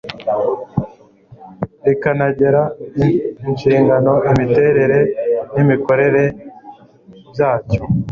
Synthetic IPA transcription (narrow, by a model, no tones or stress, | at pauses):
ekanaɟe̞ɾa | iɲʃiːŋɡano̞ʔimite̞ɾe̞ɾe̞nimiko̞ɾe̞ɾe̞ | bjaːt͡ʃo